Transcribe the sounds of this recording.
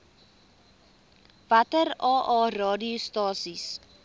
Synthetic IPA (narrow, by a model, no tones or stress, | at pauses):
vɐtərɑːʔɑːrɑːdiustɑːsis